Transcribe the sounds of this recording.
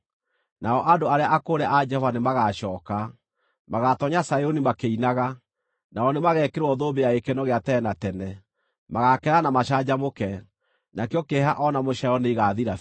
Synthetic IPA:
naɔʔadoaɾeaʔakoɾɛʔad͡ʒɛhɔvanemaɣaʃɔːka | maɣatɔɲasaeonimakeinaɣa | naɔnemaɣɛkeɾwɔðobeaekenɔɣeatɛnatɛnɛ | maɣakɛɾanamaɕad͡ʑamokɛ | nakeɔkeɦaʔɔnamoʃajɔneiɣaðiɾa

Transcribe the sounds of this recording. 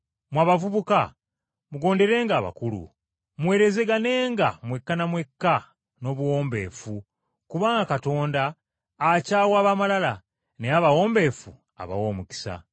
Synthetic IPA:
mwaːβavuβuka | muɡo̞ːnde̞ɾe̞ːŋɡaːβa̰kulṵ | mwe̞ːɾe̞zeɡane̞ːŋɡa̰mwe̞kːanamwe̞kːa | no̞ːβuwo̞ːmbe̞̰ːfu | kuβaːŋɡakato̞ːndaː | caːwaːβamalala | neaβawo̞ːmbe̞ːfu | a̰βa̰woːmuki̥sa̰

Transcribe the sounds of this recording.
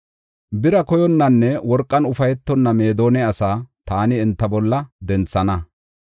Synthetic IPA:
bɪɾɐkɔjɔnːɐnːɛwɔɾkʼːɐnʊfɐjɛt̪ːɔnːɐme̞ːd̪o̞ːnɛɐsaːt̪aːnɪːnt̪ːɐbɔlːɐd̪ɛnt͡sːɐnɐ

